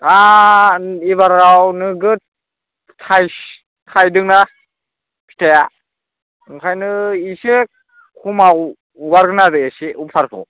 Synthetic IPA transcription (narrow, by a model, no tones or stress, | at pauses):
a | iβaɾawnɯɡɯ | tʰaj | tʰajdɯŋna | pʰi̥tʰaja | ɯŋkʰajnɯise | kʰumaw | ɡaɾɡɯnaɾɯjesiupʰaɾkʰɔ̰